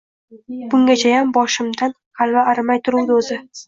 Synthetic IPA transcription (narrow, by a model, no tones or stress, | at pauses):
b̥ʊŋɡʲat͡ʃʰajambɒʃɪmd̪anqʰɑlˠvaːɾɪmajt̪ʰʊɾuwd̪ozɪ